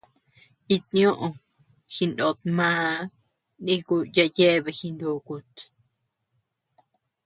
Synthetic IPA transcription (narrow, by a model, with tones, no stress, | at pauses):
i˧t̪nĩõ˦ʔõ˧ | xi˧ndo˧˨t̪̚mãː˦ | nĩ˦ku˧ja˧je˦˧βe˧xi˧nd̪u˧ku˧t̪